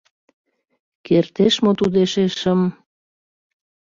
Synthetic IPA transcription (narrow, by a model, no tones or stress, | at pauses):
kert̪eʃmot̪ud̪eʃeʃəm